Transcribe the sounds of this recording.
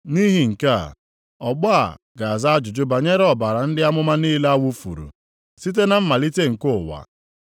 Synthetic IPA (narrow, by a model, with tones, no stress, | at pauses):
ni˦ɦi˨ŋ̩˨ka˦˨ | ɔ˨ɡ͡bɔ˦a˨ | ɡa˨a˨za˦a˦d͡ʒʊ˨d͡ʒʊ˦ba˨ɲe˦ɾɔ˨ba˨ɾa˨n̩˦dɪ˦a˦mʊ˦ma˦niː˦la˦wu˦fṵ˨ɾṵ˨ | si˦t̬e˦na˨m̩˦ma˨li˦te˦ŋ̩˨kʊ˦˨wa̰˨